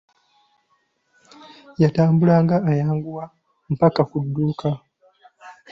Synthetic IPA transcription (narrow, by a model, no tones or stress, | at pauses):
jataːmbulaːŋɡaːjaːŋɡuwa | m̩pakakudːuːka